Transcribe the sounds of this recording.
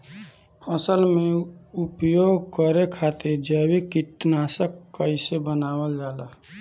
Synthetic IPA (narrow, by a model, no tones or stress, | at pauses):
pʰəsəlmẽupjoːɡkəɾekʰat̪eɾd͡ʒəwikiʈnaːsəkːəɪsebənaːwəld͡ʒaːla